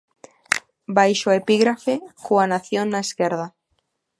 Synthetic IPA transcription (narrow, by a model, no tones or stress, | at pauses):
bajʃoepiɣɾafekuanaθjonːaeskeɾð̞a